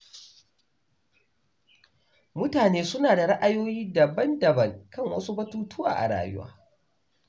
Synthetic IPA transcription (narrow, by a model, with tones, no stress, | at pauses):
mʊ˦taː˨neː˦sʊ˦naː˨da˨ɽɐ˦ʔa˨joː˦jiː˦dɐ˨bɐ˦ndɐ˨bɐ˦˨ŋkɐ˦˨ŋwɐ̰˦su˦bɐ˦tuː˦tʊ˦wa̰ː˨ʔa̰˨ɽa̰ː˨jʊ̰˦wa̰ː˦